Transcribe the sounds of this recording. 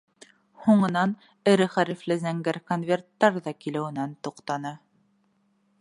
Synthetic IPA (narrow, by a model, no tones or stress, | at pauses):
huɴɤ̆nɑn | ɘ̆ɾɘχæɾiflɘzæŋɡæɾkonvʲe̞rt̪ːɑɾðɑkilɘ̆wɘ̆nænt̪uqt̪ɑnɤ